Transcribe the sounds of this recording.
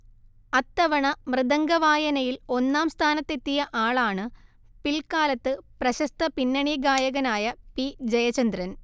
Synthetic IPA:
ɐt̪ːɐʋɐɳɐmrɨðɐŋɡɐʋaːjɐnɐjilo̞nːaːmst̪ʰaːnɐt̪ːe̞t̪ːijɐʔaːɭaːɳɨ | pilkaːlɐt̪ːɨprɐɕɐst̪ʰɐpinːɐɳjiɐɡaːjɐɣɐnaːjɐpid͡ʑɐjɐt͡ɕɐnd̪rɐn

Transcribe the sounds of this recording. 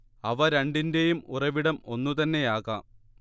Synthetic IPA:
ɐʋɐɾɐɳɖinde̞jumurɐʋiɽɐmo̞nːut̪ɐnːe̞jaːɣɐ

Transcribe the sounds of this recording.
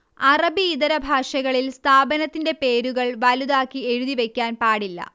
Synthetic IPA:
ɐrɐbiːðɐɾɐbʱaːʂɐɣɐɭilst̪ʰaːbɐnɐt̪ːinde̞pe̞ːɾuɣɐɭʋɐluðaːkːie̞ɻuðiʋe̞kʲːaːnpaːɽilːɐ̰

